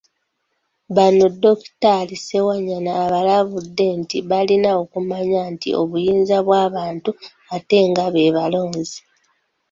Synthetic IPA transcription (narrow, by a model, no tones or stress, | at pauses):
βano̞do̞ktalise̞waɲːanaːβalaβudːe̞ntiβalinao̞kumaɲantḭo̞̰βujiːnzaβwaːβaːntu | ate̞ːŋɡaβe̞ːβalo̞ːnzi